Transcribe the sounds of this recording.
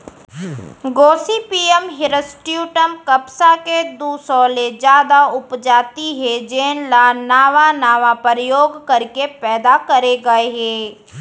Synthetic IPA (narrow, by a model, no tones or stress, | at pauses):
ɡoːsipiːəmɦɪɾəsʈjuːʈəmkɐpsaked̪uːsɔːled͡ʒjaːd̪aʊpd͡ʒaːt̪iɦɛd͡ʒeːnlanaːʋanaːʋapəɾjoːɡkɐɾkepɛːd̪akɐɾeɡɐeɦɛ̃ː